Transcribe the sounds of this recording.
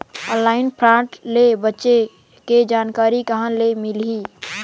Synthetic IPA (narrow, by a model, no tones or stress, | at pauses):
ə̃nlaːɪnpʰɾãʈlebətːʃe | ked͡ʒaːnkaːɾikəɦənlemɪlɦi